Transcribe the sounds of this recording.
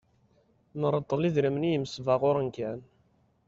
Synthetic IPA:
nəɾˤəd̪ˤːəliðɾəmnijəmsvəʁʊɾənkæn

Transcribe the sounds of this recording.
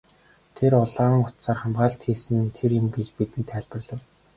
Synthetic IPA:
t̪ʰeɾʊɮaːŋʊt̪saːrχamɢaːɬt̪xiːsɘ̆nt̪ʰerjɵ̆mɡet͡ɕpit̪ɘ̆nt̪ʰæːɮʲpə̆rɮə̆w

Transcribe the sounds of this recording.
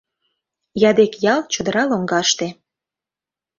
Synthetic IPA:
jɑd̪ekjɑlt͡ɕud̪əɾɑloŋɡɑʃt̪e

